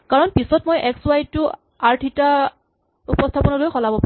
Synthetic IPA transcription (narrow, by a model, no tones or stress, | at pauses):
kaɹɔnpisɔtmojʔɛkswajtʊ | aɹtʰita | upɔstʰapɔnɔlojxɔlabɔp